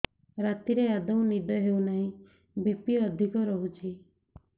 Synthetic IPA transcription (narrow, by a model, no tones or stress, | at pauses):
ɾat̪iɾead̪ɔũnid̪ʱɔɦeunaɦĩ | bipiəd̪ʱikɔɾɔɦut͡ʃʰi